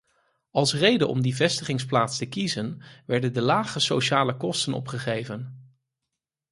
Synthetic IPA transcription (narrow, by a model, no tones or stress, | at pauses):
ɑlˠsrejdənʔɔ̰mdivɛstəχɪŋsplaːtstəkizənʋɛɹdəndəlaːχəsowʃaːləkɔstənɔ̰pχəχejvən